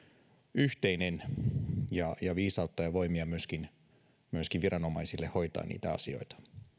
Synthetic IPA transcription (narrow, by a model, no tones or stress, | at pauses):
yht̪e̞inen | jɑjɑʋiːsɑut̪ːɑjɑʋo̞imiɑmyøskin | myøskiʋʋiɾʔɑno̞mɑisilːeho̞jt̪ɑ̰ːnḭːt̪æɑ̰sio̞̰it̪ɑ̥